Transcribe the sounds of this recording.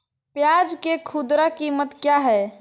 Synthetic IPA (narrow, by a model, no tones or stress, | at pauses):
pjad͡ʒkekʰud̪ɾakimət̪kjaɦɛ